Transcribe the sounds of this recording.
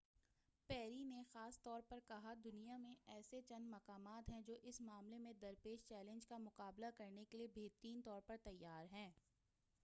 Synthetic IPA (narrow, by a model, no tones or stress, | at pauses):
pɛːɾinexaːst̪ɔːɾpɐɾkɐɦad̪ʊnijamẽɛːset͡ʃɐ̃nd̪mɐqaːmaːt̪ɦɛ̃d͡ʒoːʔɪsmaːmlemẽd̪ɐɾpeːʃt͡ʃɛːlə̃nd͡ʒkamʊqaːblakɐɾnekeliebeːɦt̪ɾiːnt̪ɔːɾpɐɾt̪ɐjːaːɾɦɛ̃ː